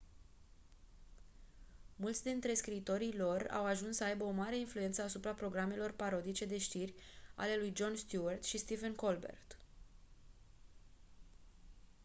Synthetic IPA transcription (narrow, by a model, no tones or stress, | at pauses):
mult̪sʲd̪int̪ɾe̞skɾiːt̪o̞ɾilo̞ra̰waʒunssəajbəomaɾe̞influje̞nt̪səasupɾapɾo̞ɡɾame̞lo̞rpaɾo̞d̪it͡ʃe̞d̪e̞ʃt̪irʲa̰le̞lujd͡ʒo̞nst̪juart̪ʃist̪ivenko̞lbḛrt̪